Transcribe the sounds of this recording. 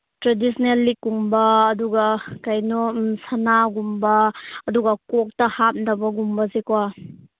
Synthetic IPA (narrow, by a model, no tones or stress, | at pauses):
tɾedisʰnelːikuŋbɐːduɡakajnɔsɐnaɡumbɐːduɡɐkɔk̚tɐhat̚ndɐbɐɡumbɐzekwa